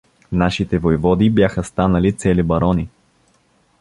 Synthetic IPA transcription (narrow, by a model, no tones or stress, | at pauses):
naʃit̪ɛvojvɔd̪ibjaxəst̪anəlit̪sɛlibɐɾɔni